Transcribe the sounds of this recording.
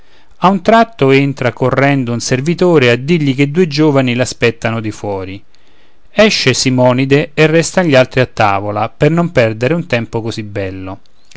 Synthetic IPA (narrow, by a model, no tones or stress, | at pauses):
aunt̪ɾat̪ːoent̪ɾakorːɛnd̪ounservit̪oːɾead̪ːiʎːik̟ed̪ːuːed͡ʒoːvanilaspɛt̪ːanod̪ifwɔːɾi | ɛʃːesimɔːnid̪eːrːɛst̪anʎːialt̪ɾiat̪ːa̰ːvolapernompɛrd̪eɾeunt̪ɛmpokozibɛlːo